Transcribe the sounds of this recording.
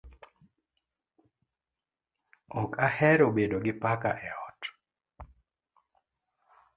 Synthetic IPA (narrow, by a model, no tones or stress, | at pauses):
ɔkʰahɛɾobedoɡɪpaka̰ʔɛɔt